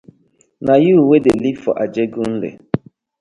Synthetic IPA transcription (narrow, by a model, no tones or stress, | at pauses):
najuuwedelifɔ̰ʔad͡ʒeɡun̩lḛ